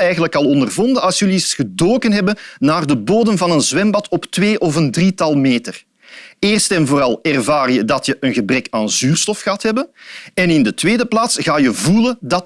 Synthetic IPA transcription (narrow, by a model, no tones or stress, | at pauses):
ɛjɣənləkɑlˠɔndərvɔndənɑlˠsjɵlisɣ̥ədoːkənɦɛbənnaːrdəboːdənvɑnənzwɛmbɑtʰɔptʋeːʔɔvəndritɑlˠmeːtər | eːrstɛnvoːrɑlˠɛrvaːrjədɑtjəʔənɣəbrɛkaːnzyːrstɔfɣəɑthɛbənɛnɪndətweːdəplaːtsɣaːjəvuləndɑt